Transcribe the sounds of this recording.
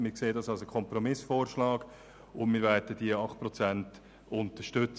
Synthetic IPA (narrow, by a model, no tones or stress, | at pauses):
mɪkseːdɑsɑlsəkʰɔmpɾɔmɪsfɔːɾʃlɑːɡ̥ | ʊnmɪvɛdəd̥iəɑχt̚pɾɔt͡sænt | ʊntəʃtʏt͡s